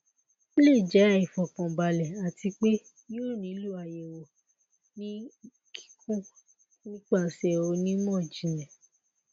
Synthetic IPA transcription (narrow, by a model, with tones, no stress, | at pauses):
le˦˨d͡ʒɛ˨˦i˨fɔ˨kɔ̃˨ba˨lɛ˨a˨ti˧k͡pe˦ | jo˦˨nĩ˨˦lu˦˨a˨je˨wo˨ | nĩ˦ | kʰi̥˦kʰũ˦ | nĩ˦k͡pa˦˨sɛ˨o˧nĩ˦mɔ̃˦˨d͡ʒĩ˨lɛ˨